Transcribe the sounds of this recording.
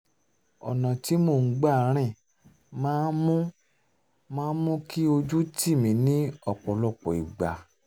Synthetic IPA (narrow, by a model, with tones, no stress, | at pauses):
ɔ̰˨nã˨ti˨˦mo˦˨n̩˦ɡ͡ba˦˨ɾ̃ɛ̃˦˨ | mãː˦mũ˦ | mãː˦mũ˦ki˦o˧d͡ʒu˦ti˦˨mĩ˨˦nĩ˦ɔ˦˨k͡pɔ˨lɔ˧˨k͡pɔ̰˨i˨ɡ͡ba˨